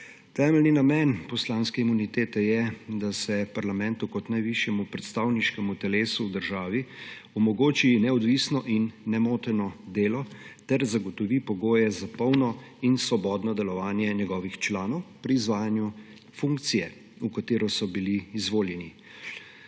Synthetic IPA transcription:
t̪ɛːmɛlninamɛnpɔslanskɛimunit̪eːt̪ɛjɛd̪asɛpaɾlamɛnt̪ukɔt̪najʋiʃjɛmupɾɛt̪st̪aːwniʃkɛmut̪ɛleːsuːd̪əɾʒaːʋiɔmɔɡoːt͡ʃinɛɔd̪ʋiːsnɔʔinːɛmoːt̪ɛɾnɔd̪eːlɔt̪ɛɾzaɡɔt̪ɔʋipɔɡoːjɛzapɔwnɔ | insʋɔbɔːd̪nɔd̪ɛlɔʋaːnjɛɲɛɡɔːʋixt͡ʃlaːnɔwpɾiːzʋaːjanju | fuŋkt̪sijɛ | ukat̪eːɾɔsɔbiliːzʋoːljɛni

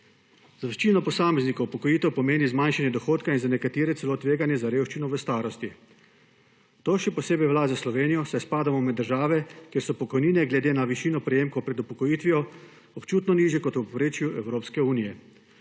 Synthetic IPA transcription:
zaʋɛʃt͡ʃiːnɔpɔsaːmɛznikɐwupɔkɔjiːt̪ɛwpɔmeːnizmanʃanjɛd̪ɔxoːt̪kainzanɛkat̪eːɾɛt̪sɛloːt̪ʋeːɡanjɛzaɾewʃt͡ʃinɔʋəst̪aːɾɔst̪i | t̪oːʃɛpɔseːbɛjʋlaːzaslɔʋeːnijɔsɛspaːd̪amɔmɛd̪ːəɾʒaːʋɛkjeɾsɔpɔkɔjniːnɛɡlɛd̪eːnaʋiʃiːnɔpɾɛjeːmkɔwpɾɛd̪upɔkɔjiːt̪ʋijɔ | ɔpt͡ʃuːt̪nɔniːʒjɛkɔt̪uppɾeːt͡ʃjuɛwɾoːpskɛuːnijɛ

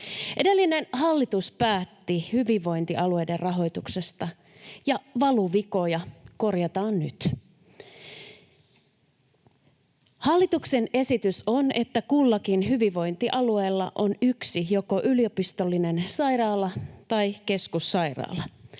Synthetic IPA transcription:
ʔedelːinenhɑlːit̪uspæːt̪ːihyʋiʋːo̞jnt̪iʔɑlue̞jderrɑɦo̞jt̪ukse̞st̪ɑ | jɑʋɑluʋiko̞jɑko̞rjɑt̪ɑːnny̰t̪ | hɑlːit̪uksene̞sit̪ysone̞t̪ːækulːɑkinɦyʋiʋo̞jnt̪iʔɑlueːlːɑ̰ʔo̞nyksijo̞koʔyliopist̪olːinensɑjɾɑːlːɑt̪ɑike̞skusːɑijrɑ̰ːlɑ

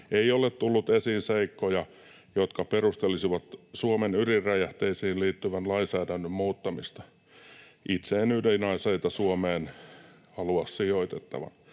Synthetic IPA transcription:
eiolet̪t̪ulːut̪esiːnseikːojɑ | jot̪kɑperust̪elisiʋɑt̪suomenyrirræjæht̪eisiːnliːt̪ːyʋænlɑinsæːdænːømmuːt̪ːɑmist̪ɑ̥ | ʔit̪seːnydenɑiseit̪ɑsuomeːn | hɑluɑssioit̪et̪ːɑ̰ʋɑ̰n

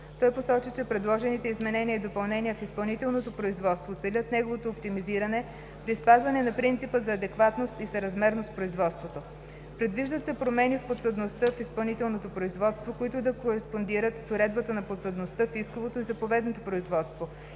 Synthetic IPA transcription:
t̪ɔjposɔt͡ʃit͡ʃɛpɾɛd̪lˠɔʒɛnit̪ɛizmɛnɛniəːd̪opɐlˠnɛniəfispɐlˠnit̪ɛlˠnot̪opɾoizvɔt̪st̪vot̪sɛlʲət̪nɛɡovot̪oːpt̪imiziɾənɛ | pɾispazvɐnɛnɐpɾint̪sipəzɐːd̪ɛkvat̪nost̪isɐɾɐzmɛɾnospɾoizvɔt̪st̪vot̪o | pɾɛd̪viʒd̪ət̪sɛpɾomɛnifpot̪səd̪nost̪əfispɐlˠnit̪ɛlˠnot̪opɾoizvɔt̪st̪vokoit̪ʊd̪ɐkoɾɛspond̪iɾət̪soɾɛd̪̚bət̪ənɐpot̪səd̪nost̪əfiskovot̪oizɐpovɛd̪not̪opɾoizvɔt̪st̪vo

